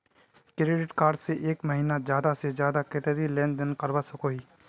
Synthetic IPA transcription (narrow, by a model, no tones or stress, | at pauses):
kɾeːɖɪʈkaːɾɖseʔeːkmɐɦiːnazjaːd̪asezjaːd̪aket̪əɾilɛ̃ːnd̪ɪnkɐɾbasʊkoːiː